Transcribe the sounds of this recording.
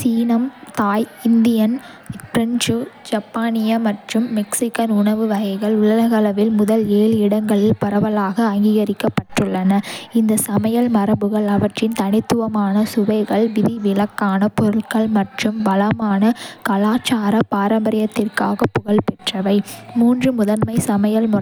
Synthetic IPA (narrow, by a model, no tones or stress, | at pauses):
siːnɐmt̪aːjɪnd̪ɪjɐn | ɾɐnd͡ʒd͡ʒɐpːaːnɪjɐmɐʈrɯmːɛksɪkːɐnʊɳɐʋɯʋɐɣɐɪɣɐɭʊlɐlɐɣɐlɐʋɪlmʊðɐleːlɪɽɐŋɡɐɭɪlpɐɾɐʋɐlaːɣɐːŋɡiːɣɐɾɪkːɐpːɐʈrɯɭːɐnɐɪnd̪ɐsɐmɐjɐlmɐɾɐbɯɣɐɭɐʋɐʈrɪnt̪ɐnɪt̪ːɯʋɐmaːnɐsʊʋɐɪɣɐɭʋɪðɪʋɪlɐkːaːnɐpɔɾɯɭkɐɭmɐʈrɯmbɐlɐmaːnɐkɐlaːt͡ʃːaːɾɐpaːɾɐmbɐɾɪjɐt̪ːɪrkaːɣɐpːʊɣɐɭpɛʈrɐʋɐɪmuːndrɯmʊðɐnmɐɪsɐmɐjɐlmʊ